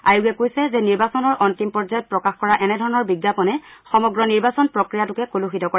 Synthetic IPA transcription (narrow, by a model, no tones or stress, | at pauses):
ajuɡɛkojsɛzɛniɹbasɔnɔɹʔɔntimpɔɹzajɔt̚pɹɔkaxkɔɹaʔɛnɛdʱɔɹɔnɔɹbiɡːapɔnɛxɔmɔɡɹɔniɹbasɔnpɹɔkɹijatʊkɛkoluxitɔkɔɹɛ